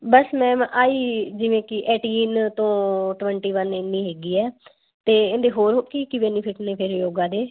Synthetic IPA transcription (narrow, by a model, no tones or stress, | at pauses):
bəsmɛ̃ːmʔaːiːd͡ʒɪʋẽːkɪʔɛːʈiːnt̪õːʈʋɛ̃ːɳʈiːʋənɪnːĩːɦeːɡiːɛː | t̪eːend̪eːɦoːɾɦkiːkibɛːniːpʰɪʈneːpʰɪɾjoːɡãːd̪eː